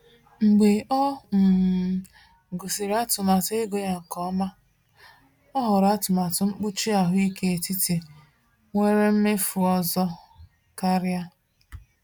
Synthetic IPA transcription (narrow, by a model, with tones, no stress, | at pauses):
ŋ͡m̩˨ɡ͡be˨ʔɔ˦m̩˨ | ɡo˨si˨ɾa˦tʊ˨ma˨te˦ɡo˨ja˨ŋ̩˨kɔ˨˦ma˦ | ɔ˦ɦɔ˨ɾa˦tʊ˨ma˨tʊ˨˦ŋ͡m̩˦k͡pu˦t͡ʃi˦a˨ɦʊ˦i˦ke˦e˨ti˦te˨ | ŋʷe˦ɾe˦m̩˦mɪ˦fʊ˨ɔ˦zɔ˦ | ka˦ɾja˦